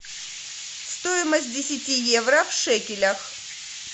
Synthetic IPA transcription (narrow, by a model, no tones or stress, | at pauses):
st̪ojɪməsʲt̚ʲdʲɪsʲɪtʲijevɾəfʂɛkʲɪlʲəx